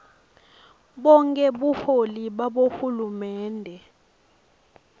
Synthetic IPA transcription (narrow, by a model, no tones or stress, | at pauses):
ɓɔŋkʼɛɓuholiɓaɓohulumɛːndʱɛ